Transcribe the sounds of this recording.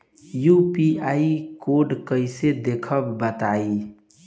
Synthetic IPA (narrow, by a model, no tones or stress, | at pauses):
jupiaikoɾɖkəɪsed̪ekʰəbːət̪ai